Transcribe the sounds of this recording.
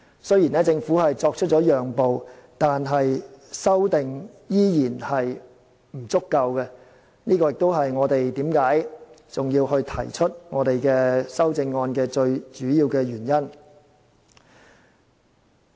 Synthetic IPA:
sɵ˥ɥji˨˩nɛː˥t͡sɪ˧ŋfuː˨˥hɐ˨jt͡sɔː˧k̚t͡ʃʰt̚t͡sːɔː˨˥jœː˨ŋpo˨wt̪aː˨nɦɐ˨jsɐ˥wt̪ɪ˨ŋ | jiː˥jiː˨˩nhɐ˨j | m̩˨˩t͡sʊ˥kːɐ˧wkɛ˧ | niː˥kɔː˧jɪ˨k̚t̪o˥wɦɐ˨jŋɔː˨˧t̪e˨jt̪iː˨˥mkaː˨˥jt͡sʊ˨ŋjiː˧whɵ˧ɥt̪ʰɐ˨˩jt͡ʃʰɵ˥t̚ŋɔː˨˧t̪e˨jkɛː˧sɐ˥wt͡sɪ˧ŋːɔː˧nkɛː˧t͡ʃɵ˧ɥt͡ʃyː˨˥jiː˧wkɛː˧ɥyː˨˩njɐ˥n

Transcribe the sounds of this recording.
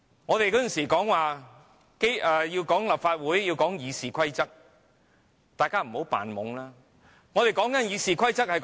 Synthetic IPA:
ŋɔ˨˧t̪e˨jkɔː˨˥jə˨˩nsiː˨˩kɔː˨˥ŋwaː˨ | ke˥jɛː˨˧jiː˧wkɔː˨˥ŋlɐ˨˩p̚faː˧t̚wuː˨˥jjiː˧wkɔː˨˥ŋjiː˨˧siː˨kʷʰɐ˥jt͡sɐ˥k̚ | t̪aː˨˩jkaː˥m̩˨˩ho˨˥wpa̰ː˨nmʊ̰˨˧˥ŋlaː˥ | ŋɔː˨˧t̪e˨jkɔː˨˥ŋkɐ˨˥njiː˨˧siː˨kʷʰɐ˥jt͡sɐ˥k̚hɐ˨jk

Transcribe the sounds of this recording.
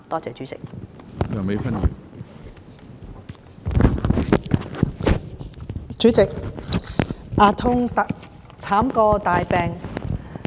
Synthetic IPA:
t̪ɔː˥t͡sɛː˨t͡ʃy˨˥t͡sɪ̰˨k̚jœː˨˩ŋme˨˥fɐ˥njy̰ː˨˩ | t͡ʃyː˨˥t͡sɪ˨k̚ | ʔaː˧t̪ʰʊ˥ŋ | t͡sʰaː˨˥mkɔː˧t̪aː˨jpɛː˧ŋ

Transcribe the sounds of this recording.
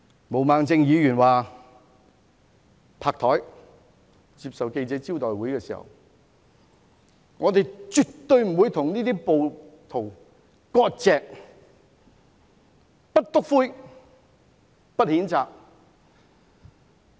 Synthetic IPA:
mo˨˩wmaː˨˧ŋt͡sɪ˧ŋjiː˨˧jyː˨˩nwaː˨ | pʰaː˧k̚t̪ʰɔː˨˥j | t͡siː˧p̚sɐ˨wke˧jt͡sɛː˨˥t͡si˥wt̪ɔː˨jwuː˨˥jkɛː˧siː˨˩hɐ̰˨w | ŋɔː˨˧t̪e˨jt͡ʃy˨tt̪ːɵ˧ɥm̩˨˩wu˨˧jt̪ʰʊ˨˩ŋniː˥t̪iː˥po˨wt̪ʰo˨˩w | kɔː˧t̚t͡sɛː˧k̚ | pɐ˥t̚t̪ʊ˥k̚fuː˥j | pɐ˥t̚hiː˨˥nt͡saː˨k̚

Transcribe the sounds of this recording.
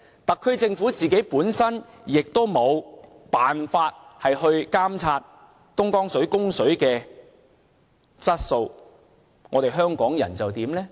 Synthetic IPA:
t̪ɐ˨kʰːɵ˧ɥt͡sɪ˧ŋfuː˨˥t͡siː˨ke˨˥jpuː˨˥nsɐ˥n | jɪ˨k̚t̪o˥wmo˨˧w | paː˨nfaː˧t̚hɐ˨jhɵ˧ɥkaː˥mt͡sʰaː˧t̚ | t̪ʊ˥ŋkɔː˥ŋsɵ˨˥ɥkʊ˥ŋsɵ˨˥ɥkɛː˧ | t͡sɐ˥t̚so˧w | ŋɔː˨˧t̪e˨jɦœː˥ŋkɔː˨˥ŋjɐ̰˨˩nt͡sɐ˨wt̪iː˨˥mlɛː˥

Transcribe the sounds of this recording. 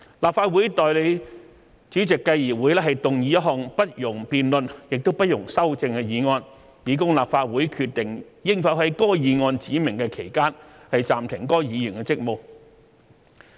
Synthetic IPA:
laː˨˩p̚faː˧t̚wuː˨˥jt̪ɔː˨jle˨˧j | t͡ʃyː˨˥t͡sɪ˨kːɐ˧jjiː˨˩wu˨˥jlɛː˥ɦɐ˨jt̪ʊ˨ŋji˨˧˥jɐ˥t̚ɦɔː˨˩ŋpɐ˥t̚jʊ˨˩ŋpiː˨nlɵ˨njɪ˨k̚t̪o˥wpɐ˥t̚jʊ˨˩ŋsɐ˥wt͡sɪ˧ŋkɛ˧jiː˨˧ŋɔː˧n | jiː˨˧kʊ˥ŋlaː˨p̚faː˧t̚wuː˨˥jkʰyː˧t̚t̪ɪ˨ŋ | jɪ˥ŋfɐ˨˥wɦɐ˨˥jkɔː˥jiː˨˧ŋɔː˧nt͡siː˨˥mɪ˨˩ŋkɛ˧kʰe˨˩jkaː˥nhɐ˨jt͡saː˨mt̪ʰɪ˨˩ŋkɔː˥jiː˨˧jy˨˩nkɛ˧t͡sɪ˥k̚mo˨˩w

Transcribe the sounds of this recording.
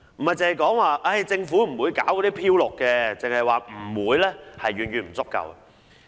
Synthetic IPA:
m̩˨˩mɐ˨jt͡sɐ˨˧hɐ˨jkɔː˨˥ŋwaː˨˧ʔɐ˥˩jt͡sɪ˧ŋfuː˨˥m̩˨˩wuː˨˧jkaː˨˥wkɔː˨˥d̪iː˦˥pʰiː˧˥wlʊ˨kːɛː˧t͡sɪ˨ŋhɐ˨jwaː˨m̩˨˩wuː˨˧jlɛː˥hɐ˨jɥyː˨˩nɥyː˨nm̩˨˩t͡sʊ˥kːɐ̰˧wɐ̰˨

